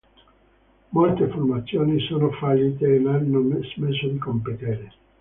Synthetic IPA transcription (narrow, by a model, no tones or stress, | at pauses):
molt̪eformat̪sːjoːnisoːnofaʎːit̪eːnanːomezmesod̪ikompet̪eɾe